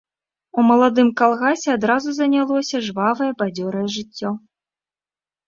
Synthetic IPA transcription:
umɐlˠad̪ɨmkalˠɣasʲɛad̪ɾazuzɐnʲalˠɔsʲɐʐvavɐjɛbad͡zʲɔɾɐjɛʐɨt͡sʲːɔ

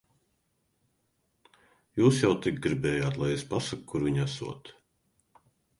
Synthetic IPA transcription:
juːsjawt̪ik̚ɡɾibɛːjaːt̪lˠajespasakkʰːuɾviɲasṵɔt̪

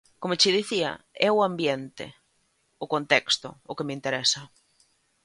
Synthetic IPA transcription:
komʊt͡ʃɪðiθiɐ̰ɛʊambjɛnt̪ɪ̰ | ʊkont̪ɛkst̪ʊ̰ʊkemɪint̪eɾɛsɐ

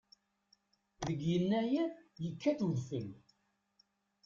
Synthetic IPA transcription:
ðəɡjənːæjæjəkːæθuðfəm

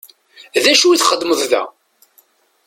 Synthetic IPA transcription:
ðæʃuiθχəd̪ːməðˤðæ̰

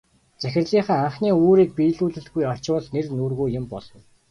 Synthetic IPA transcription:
t͡sæxʲɪ̆rɮiːχaːaɴχniːuːɾiːk̚piːɮuːɮɘ̆ɬɡujɔt͡ɕʊːɮnernuːrɣuːjʊ̆mpɔɮɞ̆w

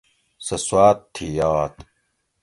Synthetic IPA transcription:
sɐswaːt̪ʰːijaːt̪

